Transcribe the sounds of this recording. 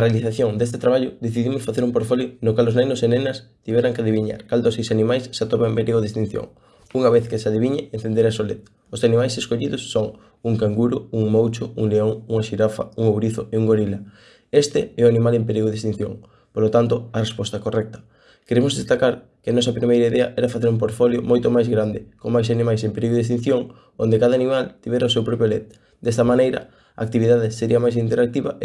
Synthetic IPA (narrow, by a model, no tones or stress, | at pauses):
ɐrealiθaθjoŋd̪est̪et̪ɾaβ̞aʎʊd̪eθiðimosfaθeɾumpoɾtfoljonokaloznejnosenenɐst̪iβɛɾaŋkeaðiβiɲa̰ɾkald̪osejsanimajsːat̪opaempeɾiɣoðest̪in̟θjo̰ŋ | uŋaβeθkɪsaðiβiɲeen̟θend̪eɾasolet̪ | osanimajseskoʎiðosːoŋ | uŋkaŋɡuɾʊuŋmowt͡ʃouŋleoŋuŋaʃiɾafa̰uŋoβɾiθʊeuŋɡoɾilɐ | est̪ɪɛʊanimalempeɾiɣoðest̪in̟θjo̰ŋ | polot̪ant̪ʊɐrespɔst̪ɐkorɛk̚t̪ɐ̥ | keɾemʊzðest̪akaɾkɪanɔsɐpɾimejɾaiðɛɐ̰ʔɛɾɐfaθeɾump̬oɾt̪foljomojt̪omajzɣɾand̪ɪkoŋmajsanimajsempeɾiɣoðest̪ĩn̟θjoŋ | ond̪ekaðanimalt̪iβɛɾaosewpɾɔp̬jolet̪̚ | d̪ɛst̪ɐmanejɾɐ̰ | a̰ːk̚t̪iβiðaðɪseɾiɐmajsint̪eɾak̚t̪iβɐ